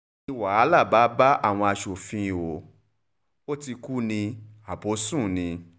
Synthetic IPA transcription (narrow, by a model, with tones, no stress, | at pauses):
i˧wa˨a˨˦la˦˨ba˨˦ba˦ʔa̰˦˨w̃ɔ̃˧a˧ʃo˨fĩ˧˨o˨ | o˦ti˧ku˦nĩ˧ | a˨po˨˦sũ˦˨nĩ˧